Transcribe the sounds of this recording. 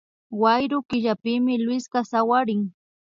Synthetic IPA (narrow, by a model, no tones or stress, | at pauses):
wajɾʊkɪʎapɪmɪlwɪskasawaɾɪŋ